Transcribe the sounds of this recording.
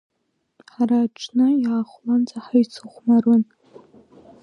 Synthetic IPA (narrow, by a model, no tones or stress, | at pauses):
ħaraːʈ͡ʂʰnɨjaχʷlant͡sʰʼaħajt͡sʰɨχʷmarɨn